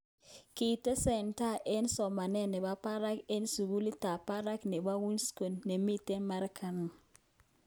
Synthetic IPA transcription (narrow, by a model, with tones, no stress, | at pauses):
ki˨tɛ˦sɛ˨nta˦˨ʔe˦nsɔ˨ma˨nɛ˦nɛ˨ba˦pa˦ɾa˦ke˦nsu˨ɡu˦li˦ta˨pa˦ɾa˦knɛ˨ba˦wu˦nsko˨nːe˨mi˦tɛ˦ma˦ɾkʰa˦na˨